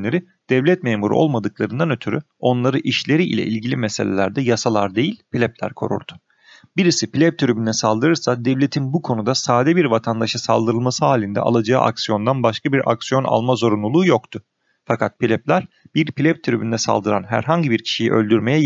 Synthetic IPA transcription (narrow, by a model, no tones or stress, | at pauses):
lʲe̞ɾi | d̪̥ɛvlʲɛt̪meːmuɾ̰ʔo̞lˠmad̪ɯklˠaɾɯnd̪anø̞t̪ʰyɾy | o̞nlˠaɾɯʔiʃlʲe̞ɾiʔḭlʲɛ̰ʔḭlʲɟilʲimese̞lʲe̞̰lʲæɾd̪ɛjasalˠaɾd̪e̞jilʲpʰilʲɛplʲæ̰ɾkʰo̞̰ɾṵɾd̪̥ʊ̥ | biɾisipilʲɛp̚t̪ʰyɾybynd̪ɛsalˠd̪ɯɾɯɾsad̪ɛvlʲe̞t̪ʰinbukʰo̞nud̪asaːd̪ɛbiɾvat̪ʰand̪aʃɯsalˠd̪ɯɾɯlˠmasɯɦaːlʲind̪ɛ̰ʔa̰lˠad͡ʒaːʔa̰ksijo̞nd̪anbaʃkʰabiɾʔa̰ksijo̞na̰lˠmazo̞ɾunlˠulˠuːjo̞kt̪ʰʊ | fakʰat̪̚pʰilʲɛplʲæɾb̥iɾpʰilʲɛp̚t̪ʰyɾybynd̪ɛsa̰lˠd̪ɯɾa̰nɦæ̰ɾɦaɲɟibiɾcʰi̥ʃijḭʔø̞̰lʲd̪yɾme̞jɛ